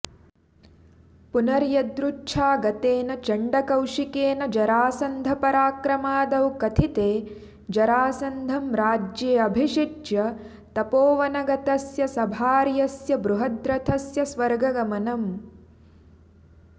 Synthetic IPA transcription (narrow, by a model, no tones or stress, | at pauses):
punɐɾjɐd̪ɾuʈʃʰaːɡɐt̪eːnɐt͡ʃɐɳɖɐkɐwʂikeːnɐd͡ʒɐɾaːsɐnd̪ʱɐpɐɾaːkɾɐmaːd̪ɐwkɐt̪ʰit̪eː | d͡ʒɐɾaːsɐnd̪ʱɐmɾaːd͡ʒjeːɐbʱiʂiʈjɐ | t̪ɐpoːʋɐnɐɡɐt̪ɐsjɐsɐbʱaːɾjɐsjɐbɾuɦɐd̪ɾɐt̪ʰɐsjɐsʋɐɾɡɐɡɐmɐnɐm